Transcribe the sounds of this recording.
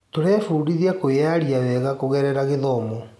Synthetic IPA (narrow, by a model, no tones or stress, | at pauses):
toɾɛfuːɾiðiakojaɾiawɛɣakoɣɛɾɛɾaɣeðɔmɔ